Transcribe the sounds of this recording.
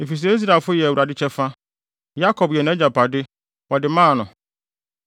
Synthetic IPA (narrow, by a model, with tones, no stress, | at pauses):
e˨fi˨s̬ɛ˦i˦s̬ɾa˨fʊ˦jɛ˨wu˨ɾa˨dɪ˦t͡ɕʰɛ˦fa˦ | ja˦kʰɔ˨bjɛ˨ñɛ̃˦d͡ʑa˨pʰa˨dɪ˦ | wɔ˨dɪ˨mãː˦˨nʊ̃˨